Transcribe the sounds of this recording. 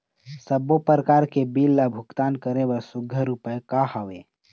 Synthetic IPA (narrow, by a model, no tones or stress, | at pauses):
səbopəɾəkaːɾkebiːlːabʱʊɡt̪aːnkəɾewəɾsʊɡʱəɾupəjkahaʋe